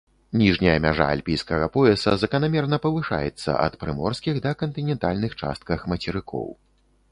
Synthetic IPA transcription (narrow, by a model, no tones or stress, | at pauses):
nʲiʐnʲɐjɐmʲaʐa̰ːlʲpʲijskɐɣɐpɔɛsɐzɐkɐnamʲɛrnɐpɐvɨʂa̰jɛ̰t̪sːɐ̰ʔɐ̰t̪pɾɨmɔrskʲixd̪ɐkɐnt̪ɨnʲɛnt̪alʲnɨxt͡ʂa̰st̪̚kɐxmɐt͡sʲɛɾɨkʰɔ̰w